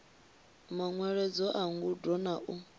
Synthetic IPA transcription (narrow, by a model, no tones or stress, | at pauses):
maŋwɛɺɛd͡zɔʔaŋɡudɔnaʔu